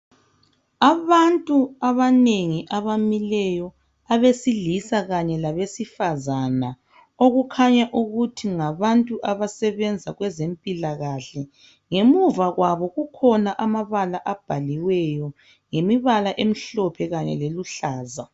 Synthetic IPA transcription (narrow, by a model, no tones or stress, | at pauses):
aβantʼuaβaneŋiʔaβamilɛjɔ | aβesilisaɣaɲɛlaβesifazana | oɣukʰaɲaʔuɣutʰiŋaβantʼuʔaβasɛβɛnd͡zʱaɣwɛzempʼilaɣaɬɛ | ŋemuvaɣwaβɔɣukʰɔnaʔamaβalaʔab̥ʱaliwɛjɔ | ŋemiβalaʔem̩ɬɔpʰɛɣaɲɛ̰leluɬaːza